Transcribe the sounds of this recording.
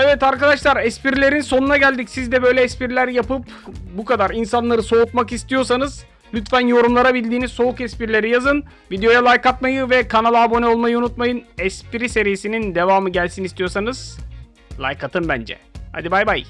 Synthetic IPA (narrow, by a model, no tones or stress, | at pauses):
ɛvɛt̪aɾkad̪aʃlˠaɾɛspiɾilʲe̞ɾinso̞nunaɟælʲd̪icsizd̪ɛbø̞jlʲɛːspiɾilʲæɾjapɯp | bukʰad̪aɾinsanlˠaɾɯso̞ut̪makist̪ijo̞ɾs̬anɯz̥ | lʲyt̪fænjo̞ɾumlˠaɾabilʲd̪iːnizso̞ukɛspiɾilʲe̞ɾijazɯn | vid̪ejo̞jalˠajkat̪majɯvɛkʰanalˠabo̞nɛo̞lˠmajɯunut̪majɯnɛspiɾise̞ɾijesinind̪e̞vaːmɯɟælʲsinist̪ijosanɯz̥ | lˠa̰jkʰat̪ʰɯmbænd͡ʒɛ̰ha̰d̪ibajbaj